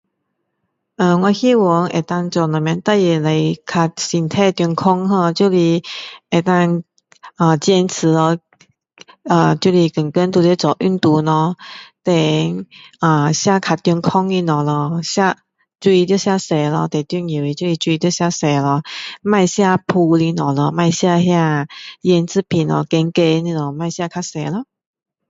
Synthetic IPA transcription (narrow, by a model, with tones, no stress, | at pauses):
ʔə˧˩ŋwã˧xi˥˧wɔ˨˧˦ŋʔḛ˨˩t̪a˧ŋt͡sɔ˧˩nɔ˨˩mjã˧nt̪a˥˧jɛ˧˩le˨˧jkʰa˧t̚si˨˩nt̪ʰɛ˥˧t̪ju˧ŋkʰɔ˥ŋɦə˧t͡ɕju˥˧li˧e˨˩t̪a˧ŋ | ə˧˩t͡ɕjɛ˧nt͡s̩ʰ˨˦lɔ˧ | ə˨˩t͡ɕju˥˧li˧˩kə˨˩ŋkə˦˥nt̪u˧t̪e˦˧t͡sɔ˨˩ʔy˥˧nt̪u˧˦nɔ˧t̪e˧˩˧ŋə˨˩ɕja˥˧˨kʰa˨˩t̪jɔ˧ŋkʰɔ˦ŋli˧nɔ˨˩lə˧ɕja˥˧ | t͡su˧i˧t̪̬jɔ˥˧ɕja˥˧se˨˩lə˧t̪e˨˩t̪y˥˧ŋi˨˩wi˧t͡ɕjo˥˧li˧t͡swu˧i˧t̪jo˥˧ɕja˥˧se˨˩lɔ˧ma˥˧ɪɕja˥˧pʰu˧li˧˩nɔ˨˩lɔ˧ma˥˧ɪɕja˥˧hja˥˧jɛ˧nt͡sɹ̩˥˨pʰi˨˩nɔ̰˧kɛ˧ŋke˧ni˧nɔ˨˩ma˥˧ɪɕja˥˧kʰa˥˩se˨˩lə˧˦